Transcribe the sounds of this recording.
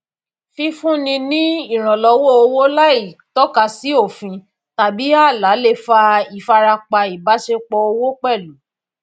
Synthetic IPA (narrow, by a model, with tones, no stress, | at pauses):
fi˧fũ˦nĩ˧nĩ˦i˦˨ɾ̃ã˨lɔ˨˧˦wo˦˨o˧wo˦la˦i˦˨tɔ˦ka˧si˨˦o˦˨fĩ˧ | ta˨bi˨˦a˦˨la˨˦le˦˨fa˧i˨fa˧ɾa˧k͡pa˧i˨ba˨˦ʃe˧k͡pɔ˧o˧wo˦k͡pɛ˦˨lu˨˦